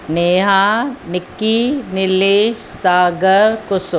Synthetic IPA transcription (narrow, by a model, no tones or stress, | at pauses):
neːɦaːnɪkːinɪleːʃsaːɡəɾkʊsʊ